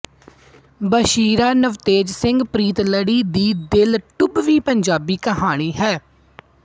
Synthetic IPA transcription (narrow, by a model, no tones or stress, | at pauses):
bəʃiːɾaːnəʋt̪eːd͡ʒsɪ̃ŋɡpɾiːt̪ləɽiːd̪iːd̪ɪlʈʊbʋiːpəɲd͡ʒaːbiːkəɦaːɽ̃iːɦɛː